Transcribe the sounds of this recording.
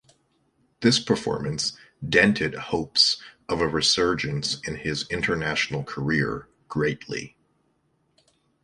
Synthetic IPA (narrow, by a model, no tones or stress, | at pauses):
ðɪspʰə˞fɔ̰ɹmɨ̃ns | d̥ɛ̃ntʰɨd̚hoʊpsʌvɨɹɨsɜ˞d͡ʒɨ̃nsɨ̃nɪzɪ̃ntʰə˞næʃn̩l̩ˠkʰə˞ɪ̰ɹ | ɡ̥ɹeɪtʰˡlḭ